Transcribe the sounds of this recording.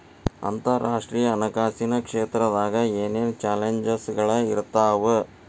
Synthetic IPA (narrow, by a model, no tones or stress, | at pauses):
ɐ̰nt̪ɐɾaːʂʈɾiːjɐːnɐkaːsinɐkʂeːt̪ɾɐd̪aːɡɐeːneːnt͡ʃaːleɲd͡ʒɐsɡɐɭɐiɾt̪ːaːʋɨ